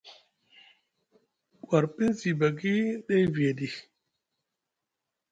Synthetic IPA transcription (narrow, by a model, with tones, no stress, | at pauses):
kwa˨ɾpi˦nsi˨ba˨ɡi˦ɗe˦jvi˨e˨di˨